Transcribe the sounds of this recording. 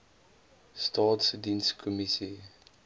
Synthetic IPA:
stʰatsdĩnskʰɔmitʰi

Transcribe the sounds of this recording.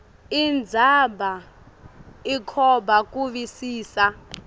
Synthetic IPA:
ind͡zʱaba | ikʰɔbak̬ʼuɓisiːsa

